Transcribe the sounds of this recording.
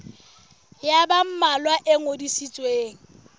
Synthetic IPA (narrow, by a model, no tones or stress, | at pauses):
jabam̩malwaʔeŋodisit͡sʼweːŋ̩